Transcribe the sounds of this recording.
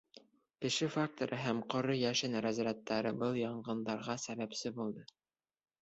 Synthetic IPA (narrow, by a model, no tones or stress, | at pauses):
kɘ̆ʃɘfak̚t̪oɾʔɤɦæmqŏɾɤjæʃɘnɾæzɾæt̪ːæɾɤbɤlˠjɑɴɢɤ̆nd̪ɑɾʁɑsæβæpsɘbulˠd̪ɤ